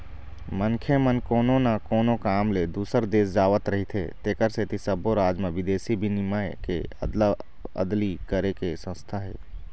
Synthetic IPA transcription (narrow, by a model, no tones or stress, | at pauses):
mə̃ŋkʰemənkoːnõnakoːnõkaːmled̪uːsəɾd̪eːs̬d͡ʒaːʋət̪ɾəɦit̪ʰḛt̪eːkəɾseːt̪isəbʱoɾaːd͡ʒmẽʋɪd̪eːsibʱinɪmaekḛə̰d̪la | ə̰d̪likəɾekesə̃st̪ʰaɦɛ̰ː